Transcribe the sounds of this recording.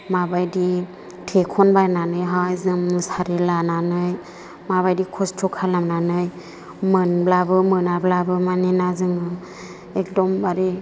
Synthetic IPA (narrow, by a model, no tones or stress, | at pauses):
mabajdi | tʰekʰɔnbajnanɯjɦajzɯŋɯsaɾelananɯj | maβajdikʰɔstʰɔkʰalamnanɯj | mɯnblabɯmɯnablabɯmanenazɯŋɯ | ek̚dɔmbaɾe